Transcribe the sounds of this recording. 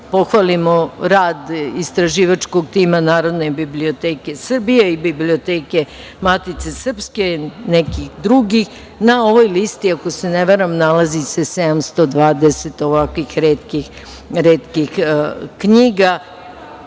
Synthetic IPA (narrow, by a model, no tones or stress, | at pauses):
po̞xʋalimoɾaːd̪ist̪ɾaʒiːʋat͡ʃko̞ɡ̚t̪iːmanaːɾo̞d̪ne̞biblio̞t̪eːke̞sr̩bijeibibliot̪eːke̞ | mat̪it̪se̞sr̩pske̞nekixd̪ɾuɡix | nao̞ʋo̞jlist̪iako̞se̞neʋeɾamnalazisesed̪amst̪o̞d̪ʋaːd̪eset̪oʋakʋixɾeːt̪kix | ɾeːt̪kixkɲiːɡa